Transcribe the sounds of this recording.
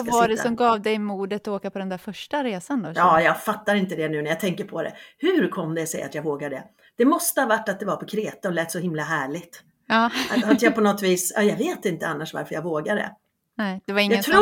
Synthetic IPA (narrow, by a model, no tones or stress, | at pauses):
avaɖɛsɔmɡɑːvd̪ɛjmuːɖ̪ət̪ɔoːkapʰɔd̪ɛnd̪æɾfœʂʈaɾeːsand̪ɔjɑːjɑɡfat̪ːaɾɪnt̪əd̪ɛnʉ̟ːnæɾjat̪ʰɛŋkəɾpʰɔd̪ɛ̰hʉ̟ɾkʰɔmːd̪ɛsɛ̰jʔa̰t̪jɑɡvoːɡaɖɛ̰ | d̪̥ɛmɔst̪əhɑvaʈːat̪̚d̪ɛvaɾpʰɔkʰɾeːt̪aɔlɛːt̪ːsɔhɪmlaɦæːɭɪɡt̪ | ɑːaat̪japʰɔnɔt̪ːviːsɑ̰ːjɑɡveːt̪ɪnt̪əanːaʂva̰ɾfəɾjaɡvoːɡaɖɛ̰ | nɛd̥̪ɛvaɾɪŋaːt̪ʰɾu